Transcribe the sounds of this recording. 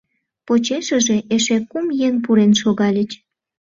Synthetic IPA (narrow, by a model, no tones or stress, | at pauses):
pot͡ɕeʃə̆ʒeʔeʃekumjenp̬uɾenʃoɣɑlʲət͡ɕ